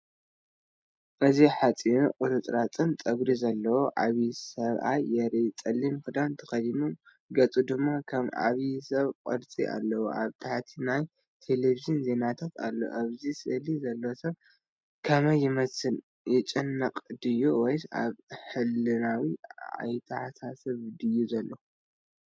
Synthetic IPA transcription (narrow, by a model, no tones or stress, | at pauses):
ʔɨziħat͡sʼinuqʼɨɾɨt͡s̪ʼɾat͡sʼɨnt͡s̪ʼɐɡɾizɐlːɐwoʔaβisɐβa̰jːɛɾit͡sʼɐlːimkɨd̪ant̪ʰɐ̥xɐdimum | ɡɐt͡sʼud̪ɨmːakʰɐma̰βjisɐβkʼɨ̰ɾt͡sʼiʔa̰lːɐwṵʔa̰βt̪ʰaħt̪ʰinaj | t̪ʰe̞leviʒɨnze̞nat̪ʰat̪ʰa̰lːo̰ʔaβzisʼɨlizɐlːowsɐβ | kʰɐmɐjːɪmɐsɨn | jɪt͡ʃʼɨnːɐqʼd̪ɨjuwɔja̰βħɨlɨnawia̰jt̪ʰɐħasasɐβd̪ɨjːuzɐlːo